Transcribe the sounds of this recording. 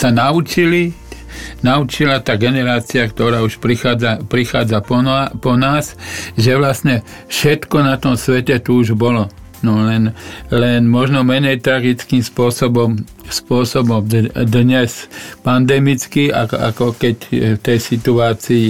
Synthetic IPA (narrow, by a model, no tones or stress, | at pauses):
sanaut͡ʃili | naut͡ʃilat̪aːɡɛnɛɾaːt͡siakt̪ɔɾaːuʃpɾixaːd͡zapɾixaːd͡zapɔapɔnaːsʒɛʋlastɲɛ | fʃɛt̪kɔnat̪ɔmsʋɛcɛt̪uuʒbɔlɔ | nɔlɛnlɛnmɔʒnɔmɛɲɛjt̪ɾaɡit͡skiːmspʊɔsɔbɔmspʊɔsɔbɔmd̪d̪ɲɛspand̪ɛmit͡skia̰ka̰kɔkɛcft̪ɛjsit̪uaːt͡siː